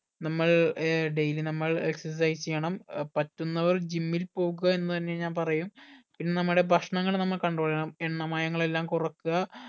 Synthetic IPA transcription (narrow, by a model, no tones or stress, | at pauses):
nɐmːɐɭɖejlinɐmːɐɭeksɐs̬ɐjt͡ɕejːɐɳɐmpɐtːunːɐʋɐrd͡ʑimːilpo̞ːɣuɣɐe̞nːut̪ɐnːe̞ɲaːnpɐrɐjumpinːe̞nɐmːuɽe̞bʱɐʂɐɳɐŋːɐɭnɐmːɐɭkɐɳɖroːɭiɐɳɐmeɳːɐmaːjɐŋːɐɭe̞lːaːmkurɐkːuɣɐ